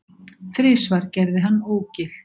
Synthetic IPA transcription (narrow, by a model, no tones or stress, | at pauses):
θɾɪːsvaɾ̥cɛɾðɪɦanːoːwcɪl̥